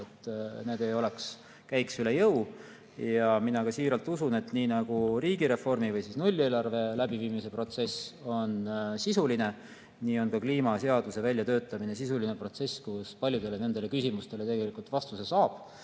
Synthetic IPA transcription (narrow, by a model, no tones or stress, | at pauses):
et̪ːne̞ːd̪e̞jo̞le̞ks | kæjksyle̞jɤw | jɑminɑkɑsiːɾɑlt̪ːˑusune̞t̪niːnɑɡ̥uɾiːɡ̥iɾe̞fo̞rmivɤjsisnulʲːeːlɑrve̞læb̥iviːmise̞pro̞t̪se̞so̞nsisuline̞ | niːo̞nkɑkliːmɑseɑd̪̥use̞vælʲjɑt̪ø̞ːt̪ːˑɑmine̞sisulinepro̞t̪se̞skuspɑlʲjud̪̥e̞le̞ne̞nd̪̥e̞le̞kysʲimust̪e̞le̞t̪e̞ɡ̥e̞likːult̪vɑst̪use̞sɑːb̥